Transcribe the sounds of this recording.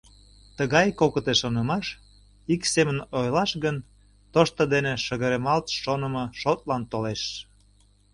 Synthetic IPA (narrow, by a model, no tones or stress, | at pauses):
t̪əɣɑjkokət̪eʃonəmɑʃ | iksemənojlɑʃɣən | t̪oʃt̪əd̪eneʃəɣəɾemɑlt̪ʃonə̆mɤʃot̪̚lɑnt̪oleʃ